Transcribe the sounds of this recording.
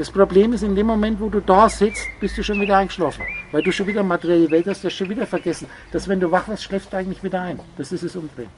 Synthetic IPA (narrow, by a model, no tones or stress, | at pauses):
d̥aspʁ̥obleːmɪsɪndeːmːomɛntvoːduːdaːz̥ɪt͡st̚b̥ɪstd̥uːʃoːnviːdɐʔaɪŋɡəʃlaːfn̩vaɪlduːʃoːnviːdɐmatəʁjɛləvɛlthastv̥ɛɐstʃoːnviːdɐfɛɐɡɛsn̩ | d̥asvɛnduːvaχvɪɐstʃlɛːfsd̥uːʔaɪŋ̩tlɪçv̥iːdɐaɪnd̥asɪsɛsʊndʁɛ̰m